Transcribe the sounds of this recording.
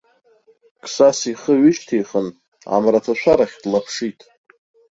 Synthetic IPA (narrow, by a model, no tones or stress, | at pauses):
kʰsasiχəɥʏt͡ʃʰtʰejχən | a̰mratʰaʃʷaɾaχʲdlapʰʂitʼ